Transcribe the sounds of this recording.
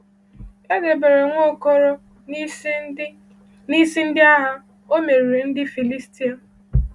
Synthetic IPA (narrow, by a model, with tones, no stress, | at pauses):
e˦ɡe˨be˨ɾe˨ŋʷo˦ko˦ɾo˦ | ni˦si˦n̩˦dɪ˦a˦ɦa˦ | o˦me˨ɾi˨ɾe˨n̩˦dɪ˦fi˨li˦sti˦a˨